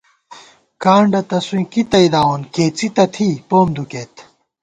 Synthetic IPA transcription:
kaːɳɖɐt̪ɐswĩːkit̪ɐid̪aːwonkeːt͡sit̪ɐt̪ʰiːpoːmd̪ukeːt̪

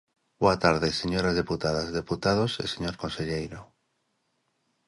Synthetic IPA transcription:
boat̪aɾðeseɲoɾazðeput̪aðazðeput̪að̞osḛseɲoɾkonseʎejɾo

